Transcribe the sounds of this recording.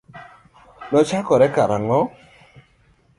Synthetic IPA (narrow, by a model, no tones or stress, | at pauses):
nɔt͡ʃakɔɾɛkaɾaŋɔ